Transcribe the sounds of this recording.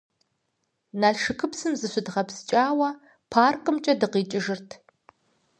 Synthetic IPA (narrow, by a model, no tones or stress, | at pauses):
naːʂɨkʰɨpsɨmzɨɕʷɪdʁɐpst͡ʃʼaːwɐ | pʰaːrkʼɨmt͡ʃʼɐdɨqiːt͡ʃʼɪʒɨrtʰ